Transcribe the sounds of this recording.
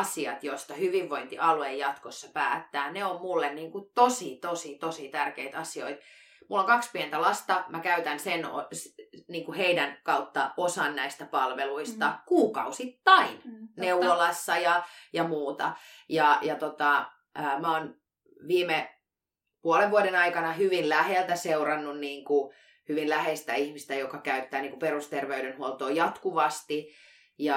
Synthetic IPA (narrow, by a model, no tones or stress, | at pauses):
siɑt̪jost̪ɑhyʋiʋːoint̪ḭʔɑluejjɑt̪kosːɑpæːt̪ːæːneommulːenniːŋkut̪osit̪osit̪osit̪ærkeit̪ɑsio̰it̪ | mulːoŋkɑkspient̪ælɑst̪ɑmækæyt̪ænseno̰sniːŋkuheidænkɑut̪ːɑ̰osɑnnæist̪æpɑlʋeluist̪ɑkuːkɑ̰usit̪ːɑinneuolɑsːɑjɑjɑmuːt̪ɑ̰jɑjɑt̪ot̪ɑ | əmæoːn | ʋiːme | puoleʋʋuodenɑikɑnɑhyʋinlæhelt̪æseurɑnːunniːŋku | hyʋinlæhest̪æihmist̪æjokɑkæyt̪ːæːniːŋkuperust̪erʋeydenhuolt̪oːjɑt̪kuʋɑst̪i | jɑ